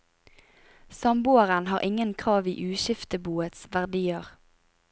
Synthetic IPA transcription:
sɑmbuːəʁənhɑːʁʔɪŋənkʰʁɑːʋḭːʔʉːʃɪft̪əbuːət̪sʋæʁd̪iːəʁ

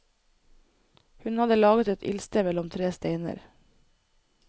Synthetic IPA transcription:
hʉnhɑd̪əlɑːɡət̪ɛt̪ɪ̰lst̪əmɛlɔmt̪ʰɾeːst̪eɪnə̰ɾ

